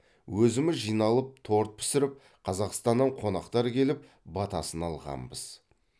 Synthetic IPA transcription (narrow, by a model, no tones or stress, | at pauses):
wɵzɪmɪzʒijnɑlˠəp̚t̪ʰo̞ɾt̪̚pʰɪ̥sɪɾɪp̚ | qʰɑzɑqst̪ɑnːəɴqʰo̞nɑqt̪ɑɾkʲʰe̞lɪp | bɑt̪ɑsənɑlˠʁɑ̰mbəz̥